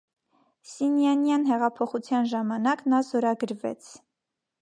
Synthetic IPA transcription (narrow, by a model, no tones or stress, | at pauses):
sinjɑnjɑnɦɛʁɑpʰɔχut͡sʰjɑnʒɑmɑnɑknɑzɔɾɑɡəɾvɛ̰t͡sʰ